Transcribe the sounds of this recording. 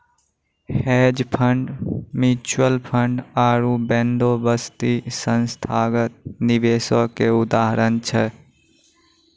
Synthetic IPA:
hɛːd͡ʒpʰəɳɖmuːt͡ʃwəlpʰə̃ɳɖaːɾubɛ̃nd̪obəst̪isənst̪ʰaːɡət̪̚nɪʋeːsokeʊd̪aːɦɾənt͡ʃʰɛ

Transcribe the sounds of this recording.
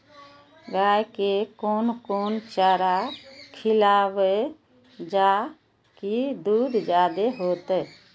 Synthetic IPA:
ɡajkekoːnkoːnt͡ʃəɾakʰɪlaːwe | d͡ʒa | kid̪uːd̪d͡ʒaːd̪eɦoːt̪ə

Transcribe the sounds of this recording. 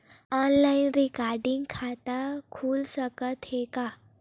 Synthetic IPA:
ɔnlainɾikaɾɖĩŋɡkʰat̪akʰuːlsəkət̪heka

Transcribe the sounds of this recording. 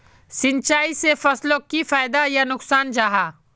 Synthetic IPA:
sɪ̃nt͡ʃaːisefɐslõkifaːɪd̪ajanʊksaːnd͡ʒaːɦaː

